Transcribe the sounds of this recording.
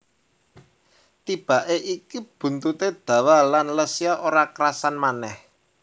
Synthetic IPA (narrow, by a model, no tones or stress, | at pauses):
t̪ib̥a̤ʔeʔikib̥ṳnt̪ut̪ed̪̥ä̤walanləsiaʔoɾakəɾasanmanɛh